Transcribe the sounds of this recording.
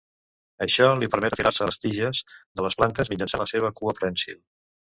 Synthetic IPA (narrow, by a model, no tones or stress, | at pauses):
əʃɔlipəɾmɛt̪əfiɾaɾsəəst̪iʒəzðələsplant̪əzmid͡ʒənsanləseβ̞əkuəpɾənsil